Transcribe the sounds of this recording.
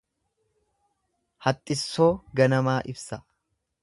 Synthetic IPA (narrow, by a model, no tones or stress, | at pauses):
hɐt̪ʼːɪsːo̞ːɡɐnɐmaːʔɪbsɐ